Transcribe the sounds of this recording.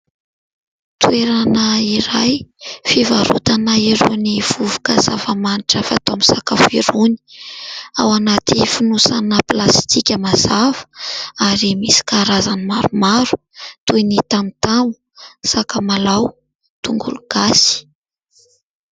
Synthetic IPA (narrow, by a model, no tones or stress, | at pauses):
t̪ueɾanəiɾajfivaɾut̪anaiɾuniv̥uvukaza̰vamaniʈ͡ʂəfa̰t̪omisakafiɾuni̥ | a̰wanat̪ifunusanəplast̪ʰikʲəmazavə̥aɾimisi̥kaɾazanimaɾumaɾu̥ | t̪ujnit̪amit̪aŋu̥ | sakamalaw | t̪uŋɡṵluɡ̥asi̥